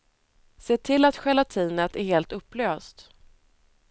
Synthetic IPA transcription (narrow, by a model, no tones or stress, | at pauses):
seːʈʰɪlːat̪ɧɛlat̪ʰiːnət̪æɾheːlt̪ɵpːløːst̪